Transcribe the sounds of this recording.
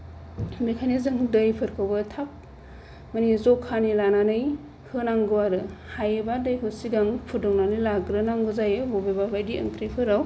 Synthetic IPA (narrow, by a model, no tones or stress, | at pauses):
bekʰajnizɯŋdəjpʰɯɾkʰawbɯtʰap̚ | manizɔkʰːanilananɯj | hɯnaŋɡɯwaɾɯhajɯbadɯjkʰɯsiɡaŋpʰudɔŋnanɯjlaɡɾɯnaŋɡɯzajɯbobebabajdiə̰ŋtʰɾijpʰɯɾaw